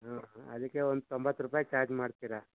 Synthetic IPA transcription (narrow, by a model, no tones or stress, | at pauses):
ɦaːɦɐd̪ikːeond̪ut̪ombɐt̪ːɾupaːjit͡ʃaːɾd͡ʒmaːɽt̪iɾa